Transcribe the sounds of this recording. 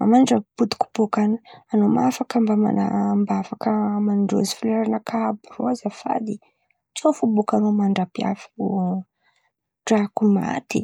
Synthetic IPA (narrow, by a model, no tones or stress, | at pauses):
ma̰maɖ͡ʐapud̪i̥ku̥b̥ukananomafakəmbama̰nambafakəmanɳɖ͡ʐo̰zi̥filaɾanakʰabuɾozafa̰d̪i | t͡ʃofubukanomaɳɖ͡ʐapia̰fu | ɖ͡ʐakuma̰t̪i